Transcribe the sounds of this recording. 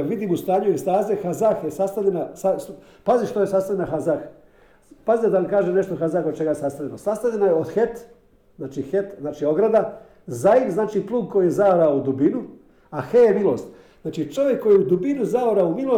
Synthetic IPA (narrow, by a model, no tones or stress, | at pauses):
ʋid̪iːmust̪aːɲuest̪aːzexazaxjesast̪aʎʲenasa | paziʃt̪ojesast̪alʲʎenaxazax | pazid̪anamkaːʒene̞ʃt̪oxazaxod̪̚t͡ʃe̞ɡajesast̪aʎʲenosast̪aʎʲenajeod̪xet̪ | znaːt͡ʃixet̪znaːt͡ʃioɡɾad̪a | zaiʋznaːt͡ʃiplˠuːɡ̚kojijezaoɾaud̪ubinu | axejemilˠo̞̰ːst̪ | znaːt͡ʃit͡ʃo̞ʋjekːo̞jiud̪ubinuzaoɾaumilo